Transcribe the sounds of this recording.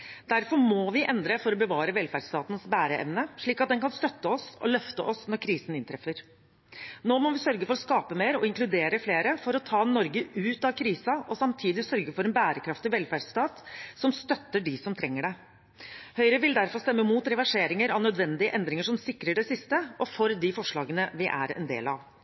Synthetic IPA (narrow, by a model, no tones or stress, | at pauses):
d̪̥æɾfɔɾmɔʋɪʔɛnd̪ɾəfɔɾɔbəʋɑːɾəʋɛlfæɖst̪ɑːt̪nsbæːɾəʔɛ̰mnəʂɭiːkɑt̪̚d̪ɛnkɑnst̪œt̪ːəɔsɔ̰lœft̪əʔɔsnɔɾkʰɾiːsən̩ɪnt̪ʰɾɛfːəɾ | noːmɔʋɪsœɾɡəfɔɾɔskɑːpəmeːɾɔ̰ɪŋkʰlʉd̪eːɾəfleːɾəfɔɾɔt̪ʰɑːnɔɾɡəʔʉːt̪ɑʋkʰɾiːsɑʔɔsɑmt̪ʰiːd̪ɪsœɾɡəfɔɾɛnbæːɾəkʰɾɑft̪ɪʋɛlfæɖst̪ɑːt̪sɔmst̪œt̪ːəɖɪsɔmt̪ʰɾɛŋːəɖɛ | hœʏɾəʋɪld̪æɾfɔst̪ɛmːəmuːt̪ɾɛʋæʂeːɾɪŋəɾɑʋnœd̪ʋɛnd̪ɪəʔɛnd̪ɾɪŋəʂɔmsɪkːɾəɖɛsɪst̪əʔɔfɔɾd̪ɪfɔʂɭɑːɡənəʋɪʔæ̰ɾɛ̰nd̪ḛːlɑ̰ʋ